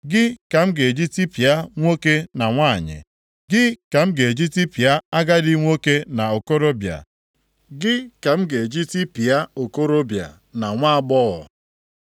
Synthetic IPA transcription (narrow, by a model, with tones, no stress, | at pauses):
ɡɪ˦ka˨m̩˦ɡe˨d͡ʒi˦ti˦pi˨a˦ŋʷo˦ke˦na˨ŋʷa˦˨ɲɪ̰˨ | ɡɪ˦ka˨m̩˦ɡe˨d͡ʒi˦ti˦pi˨a˦a˦ɡa˦dɪ˦ŋʷo˦ke˦na˨o˨ko˦ɾo˦bja̰˨ | ɡɪ˦ka˨m̩˦ɡe˨d͡ʒi˦ti˦pi˨ja˦o˨ko˦ɾo˦bja̰˨ | na˨ŋʷa˦a˨ɡ͡bɔ˦ɣɔ̰˨